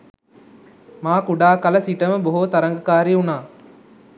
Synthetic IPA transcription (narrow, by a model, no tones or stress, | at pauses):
maːkuɖaːkɐlɐsiʈɐmɐboɦut̪ɐɾɐŋɡɐkaːɾiunaː